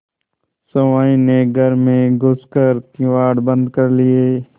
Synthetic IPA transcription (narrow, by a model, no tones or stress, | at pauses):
sɐʋaːĩneɡʱəɾmẽɡʱʊskəɾkiɪ̃ʋaːɽbə̃nd̪kəɾlɪeː